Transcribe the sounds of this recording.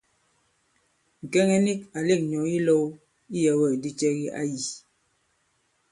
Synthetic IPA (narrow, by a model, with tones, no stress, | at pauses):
ŋ̩˨kɛ˦ŋɛ˦ni˦ka˨le˦k̚ɲɔ˨i˦lɔ˦w | i˦jɛ˨wɛ˦˨di˦t͡ʃɛ˦ɣi˦ʔa̰˦ji˨